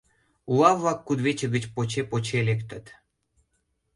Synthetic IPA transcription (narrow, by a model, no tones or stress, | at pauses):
ulɑvlɑkːud̪βet͡ɕə̆ɣət͡ɕpot͡ɕepot͡ɕelekt̪ə̆t̪